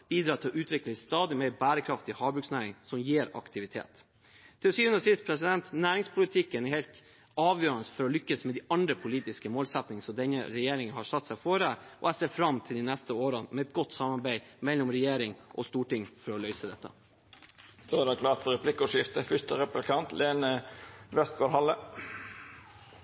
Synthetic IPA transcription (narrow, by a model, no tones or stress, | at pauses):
b̥iːd̪ɾɑːt̪ʰɪlʔʉːt̪ʰɾʏkl̩ɪst̪ɑːd̪ɪmeːbæːɾəkʰɾɑft̪ɪhɑːbʉksnæːɾɪŋsɔmjiːɾɑ̰kt̪ʰɪʋɪt̪ʰḛːt̪ | t̪ʰːɪlɔsyːʋʉnɾəsɪst̪pʰɾɛsɪd̪ɛnt̪næːɾɪŋspʰʊlɪt̪ʰɪkːənɛɾhɛːlt̪ | ɑːʋjøːɾənəsfɔɾɔlʏkːəsmɛd̪ɪɑnd̪ɾəpʰʊliːt̪ɪskəmoːlsɛt̪nɪŋənsɔmd̪ɛnːə̰ɾɛjeːɾɪŋənhɑːʂɑt̪ːsæɪfɔɾəʔɔ̰æseːɾfɾɑmt̪ʰɪld̪ɪnɛst̪əoːɾənmɛɛt̪̚ɡɔt̪ːsɑmɑɾbæɪmɛlːɔmɾɛjeːɾɪŋʔɔst̪uːʈɪŋːfɔɾɔlœʏsəd̪ɛt̪ːə̰ | d̪oːæɾd̪ɛkʰlɑːʈ̪fɔɾɛpʰlɪkːʊʂɪft̪əfʏt̪əɾɛplɪkʰɑnt̪leːnəʋɛst̪ɡoːɾhɑlːə